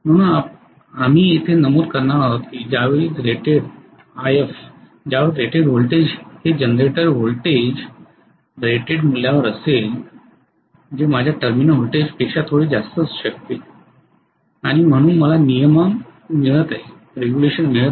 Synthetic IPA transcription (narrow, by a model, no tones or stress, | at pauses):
m̤əɽ̃uːna | am̤iːet̪ʰenəmod̪kəɾnaaɦət̪kid͡ʑaʋeiːt̪ɾeʈeɽ | ajef | d͡ʑaʋet̪ɾeʈeɖɦolʈed͡ʑhed͡ʑənɾeʈəɾɦolʈed͡ʑ | ɾeʈeɽmul̤ːjaʋəɾəsel | d͡ʑemad͡ʑʱjaʈəɾminɦolʈed͡ʑpekɕat̪ʰoɽiːd͡zast̪əsɕək̚t̪e | aɽ̃im̤əɽ̃uːnməlanijəməmːiɭət̪aɦe | ɾeɡjuleɕənmiɭət̪